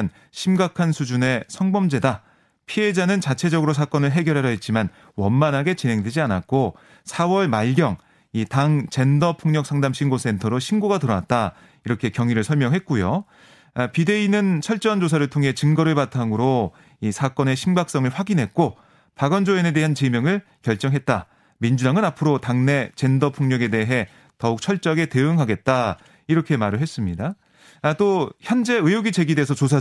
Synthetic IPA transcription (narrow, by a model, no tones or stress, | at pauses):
n | ɕʰimɡakʰansʰud͡ʑune̞sʰʌŋbʌmd͡ʑe̞da | pʰie̞d͡ʑanɯnt͡ɕat͡ɕʰe̞d͡ʑʌɡɯɾosʰak͈ʌnɯɭɦe̞ɡjʌɾɦaɾʌɦet̚t͡ɕ͈iman | wʌnmanɦaɡe̞t͡ɕinɦe̞ŋdwe̞d͡ʑianat̚k͈o | sʰawʌɭmaɭɡjʌŋ | itaŋt͡ɕe̞ndʌpʰuŋɲʌk̚s͈ʰaŋdamɕʰinɡosʰe̞ntʰʌɾoɕʰinɡoɡatɯɾʌat̚t͈a | iɾʌkʰe̞kjʌŋiɾɯɭsʰʌɭmjʌŋɦe̞t̚k͈ujo | pide̞inɯnt͡ɕʰʌɭt͡ɕ͈ʌnd͡ʑosʰaɾɯɭtʰoŋɦe̞t͡ɕɯŋɡʌɾɯɭpatʰamɯɾo | isʰak͈ʌne̞ɕʰinbak̚s͈ʌŋɯɭɸwaɡinɦe̞t̚k͈o | paɡʌnd͡ʑoene̞de̞ɦant͡ɕemjʌŋɯɭ | kjʌɭt͡ɕ͈ʌŋɦe̞t̚t͈a | mind͡ʑudaŋɯnapʰɯɾotaŋne̞t͡ɕe̞ndʌpʰuŋɲʌɡe̞de̞ɦe̞ | tʌuk̚t͡ɕʰʌɭt͡ɕ͈ʌɡe̞te̞ɯŋɦaɡe̞t̚t͈a | iɾʌkʰe̞maɾɯɭɦes͈ɯmɲida | t͈oçjʌnd͡ʑe̞ɯjoɡit͡ɕe̞ɡidesʰʌt͡ɕos̬ʰa